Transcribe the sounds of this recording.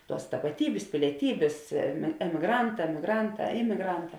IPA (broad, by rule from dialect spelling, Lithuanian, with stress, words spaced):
ˈtuɔs tɐpɐˈtʲiːbʲeːs pʲɪlʲiɛˈtʲiːbʲeːs ɛm ɛmʲɪˈɡrɐnˌtɑː ɛmʲɪˈɡrɐnˌtɑː ˈɪmʲɪɡrɐnˌtɑː